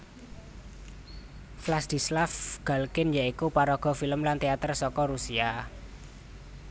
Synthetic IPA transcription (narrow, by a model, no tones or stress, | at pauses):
flasd̪̥i̤slafɡ̥a̤lkɪnjaikupaɾɔɡ̥ɔ̤filəmlant̪eat̪ərsɔkɔɾusia